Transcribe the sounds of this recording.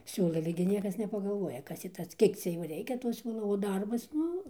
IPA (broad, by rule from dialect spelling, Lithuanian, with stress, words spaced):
ˈsʲuːlˠɐɪ ɐlʲɛ ɡʲɪ ˈnʲiɛkɐs nʲɛpɐɡɐˈlˠʋuɔjɛ ˈkɐs tʲiː ˈtɐs ˈkʲiɛk t͡sʲɛ ˈjoː ˈrʲɛɪkʲɛ toː ˈsʲuːlˠoː oː ˈdɐrbɐs ˈnʊ